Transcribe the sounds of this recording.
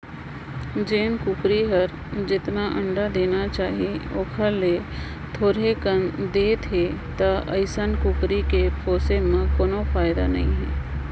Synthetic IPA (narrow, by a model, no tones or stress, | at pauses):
d͡ʒeːnkʊkɾiɦəɾ | d͡ʒɪt̪naʔə̃ɳɖad̪eːnat͡ʃaːɦieo̰ːkʰəɾle | t̪ʰoːɾekənd̪eːt̪ʰɦeːt̪aʔɐɪsənkʊkɾikepoːsemãkoːnofaːɪd̪a̰nɐɦĩɦɛ̰ː